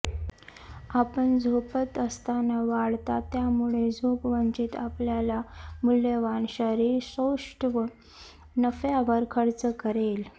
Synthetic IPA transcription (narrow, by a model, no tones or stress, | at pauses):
apəɳd͡zʱopət̪əst̪anaʋaɽt̪at̪jamuɭed͡zʱupʋəɲt͡ɕit̪apljalamuleʋaɳɕaɾisoʂʈ | nəfjaʋəɾkʰəɾt͡səkəɾel